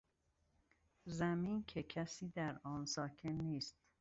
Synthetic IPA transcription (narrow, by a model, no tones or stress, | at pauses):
zæmiːncʰecʰæsiːd̪æɾɒːnsɒːkʰe̞nːiːst̪